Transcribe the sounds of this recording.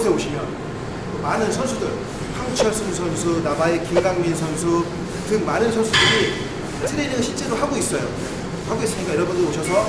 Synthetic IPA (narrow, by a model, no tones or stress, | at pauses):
sʰe̞oɕʰimjʌn | kɯmanɯnsʰʌnsʰudɯɭ | pʰaŋt͡ɕʰʌɭs͈ɯns̬ʰʌnsʰunabaekiɡaŋmins̬ʰʌnsʰu | tɯk̚manɯnsʰʌnsʰudɯɾi | sʰeɾeɲiɡaɕʰiɭt͡ɕ͈e̞ɾohaɡois͈ʌjo̰ | haɡois͈ɯɲik͈ajiɾʌbundooɕʰʌs̬ʰʌ